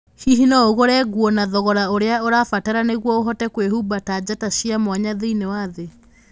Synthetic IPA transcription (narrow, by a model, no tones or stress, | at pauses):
hiɦinɔoɣoɾɛɡwɔnaðɔɣɔɾaoɾeaoɾafataɾaneɣwɔoɦɔtɛkwehubatad͡ʑataɕiamwaɲaðeinewaðe